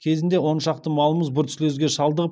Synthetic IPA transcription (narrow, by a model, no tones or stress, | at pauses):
kʲʰe̞zɪnd̪e̞wo̞nʃɑq̚t̪əmɑlˠəməzbʊɾt̪ʰsɪlezɡʲe̞ʃɑlˠd̪əʁəp